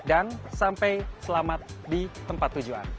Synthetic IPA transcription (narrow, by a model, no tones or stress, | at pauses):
dansampɛjsəlamat̪̚dit̪əmpat̪ːud͡ʒua̰n